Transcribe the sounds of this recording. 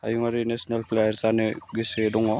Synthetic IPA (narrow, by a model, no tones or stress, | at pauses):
a̰juŋaɾinesnalplejaɾsaneɡisedɔŋɔ